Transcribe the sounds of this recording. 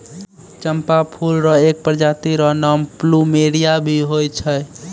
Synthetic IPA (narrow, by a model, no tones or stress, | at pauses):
t͡ʃəmpapʰulɾəek̚pəɾd͡ʒat̪iɾənɔmplumeɽijabʱiɦojt͡ʃʰəj